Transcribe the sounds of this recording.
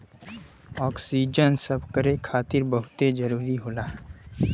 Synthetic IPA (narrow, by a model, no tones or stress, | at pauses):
ɔːksiːd͡ʒənsəbʱkəɾekʰaːt̪ɪɾbəɦʊt̪ed͡ʒəɾuːɾiɦoːlaː